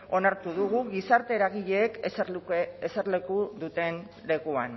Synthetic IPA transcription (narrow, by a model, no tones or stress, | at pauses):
o̞naɾt̪uðuɣ̞uɣisaɾt̪e̞ɾaɣiʎe̞ːkseseɾle̞kuðut̪e̞n | le̞kuan